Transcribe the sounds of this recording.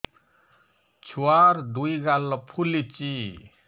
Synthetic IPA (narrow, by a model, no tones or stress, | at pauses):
t͡ʃʰuaɾd̪uiɡalɔpʰulit͡ʃi